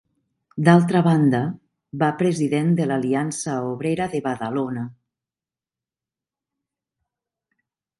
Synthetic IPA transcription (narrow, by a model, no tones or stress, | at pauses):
d̪alˠt̪ɾaβand̪a | βapɾeziðend̪elaliansaoβɾeɾaðeβaðalona